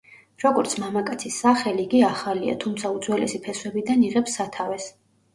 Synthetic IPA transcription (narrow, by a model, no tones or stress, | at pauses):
ɾɔɡɔɾt̪sʰmamakʼat̪sʰisːaχɛliːɡiaχalia̰t̪ʰumt̪sʰaud̪zwɛlɛ̰sipʰɛswɛbid̪aniʁɛpsːat̪ʰavɛs